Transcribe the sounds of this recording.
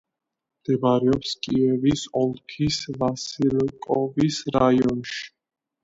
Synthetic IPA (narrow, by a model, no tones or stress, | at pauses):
md̪̥ɛbɾɛɔpskʼiɛvisɔlˠkʰisvasiɾkʼɔvisɾajɔnʃi̥